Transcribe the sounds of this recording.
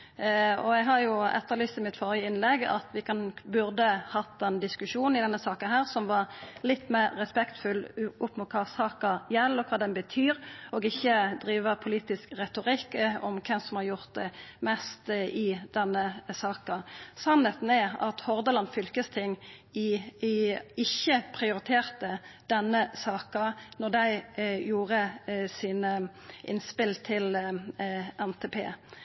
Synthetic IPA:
ɔɛɡɦɑɾjʊɛ̰t̪ːəɾlyːst̪ɪmɪt̪fɔːɾəəɪnlɛɡɑ̰t̪ʋɪkʰɑnbʉɾd̪əhɑt̪ːɛnd̪ɪskʉʂuːnn̩ɪd̪ɛnːəsɑːkənɦæːɾsɔmʋɑɾlɪt̪ːmɛɾːɛspɛkt̪fʉlʊpːmʊt̪̚kʰɑːsɑːkɑjɛlːɔkʰɑːd̪ɛnbət̪ʰyːɾɔɡɪçːəd̪ɾiːʋəpʰʊliːt̪ɪskʁɛt̪ʊʁɪkːɔmkʰɛmsɔmhɑɾjʊʁt̪̚d̪ɛmɛst̪ɪd̪̥ɛnːəsɑːkəsɑnhɛt̪n̩ɛɑ̰t̪hɔʁd̪əlɑnfʏlkəst̪ʰɪŋː | ɪçːəpʰʁɪʊɾɪt̪ʰeːʁt̪əd̪̥ɛnːəsɑːkɑnɔʁd̪æɪjuːʁəsɪn | ʔɪ̰nspɪlt̪ʰɪl | ɛnt̪ʰeːpʰḛː

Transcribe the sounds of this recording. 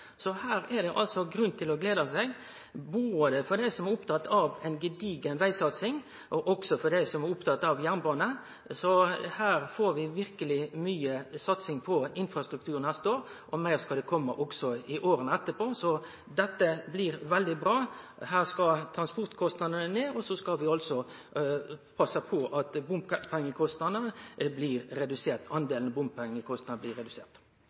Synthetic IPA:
sɔhæːɾæd̪ɛʔɑlsɔɡɾʉnt̪ʰɪlɔɡleːd̪ɑsɛɡ | buːd̪ɛfɔd̪æɪsɔmæɾʊpt̪ʰɑt̪ːɑʋɛɪnɡəd̪iːɡənʋæɪsɑt̪sɪŋ | ʔɔʔɔɡ̥sɔfɔd̪æɪsɔmæɾʊpt̪ʰɑt̪ːɑʋjæʁnbɑːnə | sɔhæːɾfoːɾʋɪʋɪɾkəlɪmyːəsɑt̪sɪŋpʰɔɪnfɾɑst̪ɾʉk̚t̪ʰʉːɾənæst̪oːɾʔɔmæɪʁskɑd̪ɛkʰɔmːəʔɔɡsɔɪʔoːɾənəɛt̪ːəpʰoːsɔ | d̪ɛt̪ːəblɪɾʋɛld̪ɪbɾɑː | hæːʁskɑt̪ʰɾɑnspɔʁt̪kʰɔst̪nɑd̪ənəneːɔsɔskɑʋɪɑlsɔ | pʰɑsːəpʰɔʔɑt̪bʊmppʰɛŋːəkʰɔst̪nɑnəblɪɾɾːɛd̪ʉseːʁt̪ɑnd̪eːlnbʊmppʰɛŋːəkʰɔst̪nɑnəblɪːɾɛd̪ʉseːʁt̪

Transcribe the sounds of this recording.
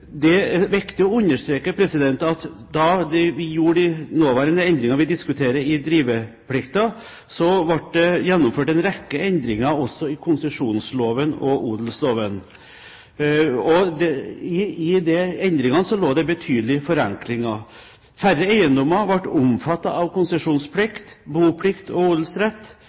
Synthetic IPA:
d̪ɛʋɛkt̪əɔʉnːəʂʈ̪ɾeːkəpʰɾɛsɪd̪ɛnt̪ɑt̪ | d̪ɑd̪ɛʋɪjuːɖɪnoːʋæːɾənəɛnd̪ɾɪŋɑʋɪd̪ɪskʉt̪ʰeːɾəɪd̪ɾiːʋə | pʰɽɪkt̪ɑ | sɔʋɑʈ̚d̪ɛjɛnːʊmføːʈɛnɾɛkːəɛnd̪ɾɪŋɑɔsːɔɪkʰʊnsəʂuːnsloːʋənɔ̰ʔuːd̪l̩sloːʋən | ɔd̪ɛɪɪd̪ɛɛnd̪ɾɪŋɑnəsɔloːd̪ɛbət̪ʰyːd̪əlɪfɔɾɛŋklɪŋɑ | færːəæɪənd̪ɔmːɑʋɑʈːʊmfɑt̪ːɑʔɑʋkʊnsəʂuːnspʰlɪkt̪buːpʰlɪkt̪ɔuːd̪l̩sɾɛt̪ː

